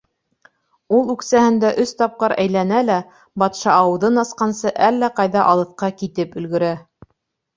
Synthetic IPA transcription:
ulˠʉksæhɘ̆nd̪æʔɵst̪ɑp̚qɤɾæjlænælæ | bɑt̪ʃɑːwɤ̆ðɤnɑsqɑnsɤʔælːæqɑjðɑʔɑlˠɤ̆θqɑkit̪ɘpɵ̆lɡɵ̆ɾæ

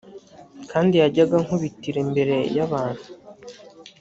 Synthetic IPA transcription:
kʰaːndijaɟaɡaŋhuβitiɾe̞mbe̞ɾe̞jaβaːn̥hu̥

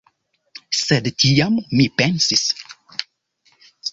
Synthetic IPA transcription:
sed̪ət̪ʰiamʊmipɛnsis

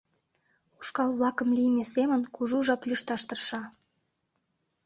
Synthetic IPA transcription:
uʃkɑlβlɑkə̆mlijmesemənkuʒuʒɑplʲyʃt̪ɑʃt̪ərʃɑ

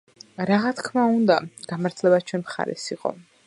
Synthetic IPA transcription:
ɾaʁat̪kʰmaund̪aɡ̥amaɾt̪ʰlɛbat͡ʃʰwɛnmχa̰ɾɛ̰siqʼɔ̰

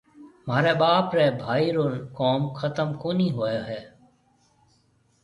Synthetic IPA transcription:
maːɾeːɓaːpɾeːbʱaːiːɾoːnkoːmkʰət̪əmkoːnĩːɦoːjoːɦeː

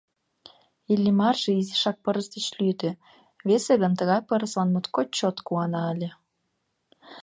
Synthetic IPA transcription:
ilʲːimɑrʒ̥ĕiziʃɑk̚pəɾəsd̪et͡ɕlyt̪ø | βeseɣə̆nt̪əɣɑjpəɾəsɑnmut̪kot͡ɕot̪kuɑnɑəlʲe

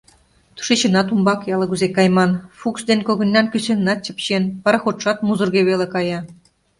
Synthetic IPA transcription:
t̪u̥ʃet͡ɕə̆nɑt̪umbɑkjɑlɤ̆ɡuzekɑjmɑnfuksd̪enʲkoɣə̆nʲːɑnkysenːɑt̪̚t͡ɕə̆pɕenpɑɾxot̪ʃɑt̪muzŭrɣeβelekɑjɑ

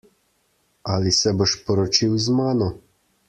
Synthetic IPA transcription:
aːlisɛbɔʃpɔɾɔt͡ʃiwzmaːnɔ

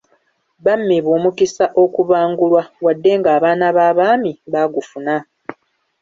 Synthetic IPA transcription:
βamːiβoːmukisaʔo̞kuβaːŋɡulwawadːe̞ŋɡaːβaːnaβaːβaːmiβaːɡufuna

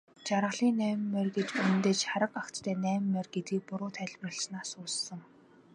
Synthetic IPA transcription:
t͡ɕaɾʁə̆ɮiːnːæːm̆mːœrɡet͡ɕɵnɵ̆nt̪eːt͡ɕχaɾə̆qakt͡st̪ʰæːnæːmmːœrɡet̪ɡiːk̚pʊɾʊːt̪ʰæːɮʲprə̆ɬt͡ɕnaːsʊːssə̆ŋ

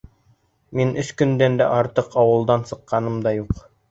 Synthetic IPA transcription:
minɵskɵ̆nd̪ænd̪æʔɑɾt̪ɤqɑwɤ̆lˠd̪ɑnsɤ̆qːɑnɤmd̪ɑjuq

